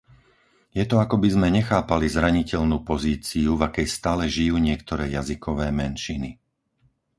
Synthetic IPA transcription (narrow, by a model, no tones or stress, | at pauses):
jɛt̪ɔakɔbizmɛɲɛxaːpalizɾaɲicɛʎnuːpɔziːt͡siuvakɛjst̪aːlɛʒijuːɲɪɛkt̪ɔɾɛːjazikɔʋɛːmɛnʃini